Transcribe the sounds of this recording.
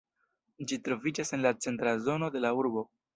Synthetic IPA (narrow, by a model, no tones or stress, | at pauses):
d͡ʒitɾo̞vid͡ʒase̞nlat͡se̞ntɾazo̞no̞de̞lauɾbo̞